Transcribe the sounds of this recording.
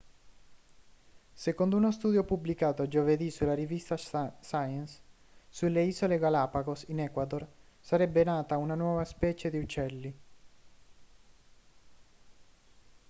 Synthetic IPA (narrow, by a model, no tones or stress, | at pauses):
sekond̪ounost̪uːd̪jopublikaːt̪oad͡ʒoved̪isulːarivist̪asajɛnsː | uleiːzoleɡalaːpaɡosinɛkwad̪orsaɾɛbːenaːt̪aunanwɔːvaspɛːt͡ʃed̪iut͡ʃːɛlːi